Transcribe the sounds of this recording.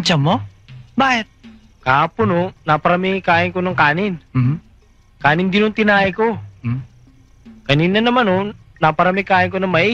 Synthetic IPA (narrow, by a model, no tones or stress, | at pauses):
t͡ʃɐmo | baːʔɪt̪̚ | kaːpʊnonapɐɾamikaːʔɪŋkonɐŋkaːnɪn | kaːnɪnd̪ɪnʊnt̪ɪnaːʔɐko | kɐniːnɐnɐmano | napɐɾamikaːʔɪŋkonɐmɐʔi